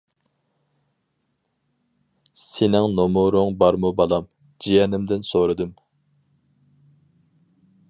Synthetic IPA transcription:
senɪŋnomʊɾʊŋbɑɾmubɑlˠɑm | d͡ʒijɛnɪmd̪ɪnsoɾɨd̪ɨm

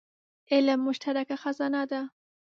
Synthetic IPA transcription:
ɪlmːʊʃt̪aɾakaxazɑnad̪a

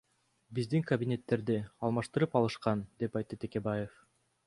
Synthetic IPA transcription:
bizd̪iŋkɐbʲinʲe̞t̪ːe̞ɾd̪iɑlˠmɑʃt̪ɯɾɯpɑlˠɯʃqɑnd̪e̞pɑjt̪ːɯt̪eke̞baje̞f

